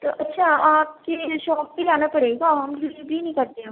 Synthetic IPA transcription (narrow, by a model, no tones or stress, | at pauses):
t̪oʔɐtːʃʰaaːp̚keʃɔːk̚bid͡ʒaːnapɐɽeːɡaɦɐmd͡ʒɪbʱinɐ̃ĩkɐɾt̪eã